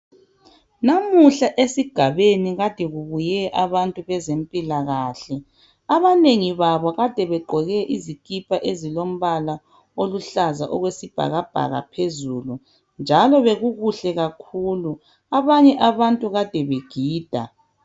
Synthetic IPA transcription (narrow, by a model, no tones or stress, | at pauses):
namuɬaʔesiɡ̥ʱaβeniɣad̥ʱɛɣuβujɛʔaβantʼuβɛzempʼilaɣaːɬɛ | aβaneŋiβaβɔɣad̥ʱɛβɛɡ͡ǃʱɔɣɛʔizikʼipʰʼaʔezilom̩βala | oluɬazaʔɔɣwesib̥ʱa̰ɣab̥ʱa̰ɣa̰pʰezulu | nd͡ʒʱalɔβeɣuɣuɬɛɣakʰuːlu | aβaɲɛʔaβantʼuɣad̥ʱɛβeɡ̥ʱiːd̥ʱa̰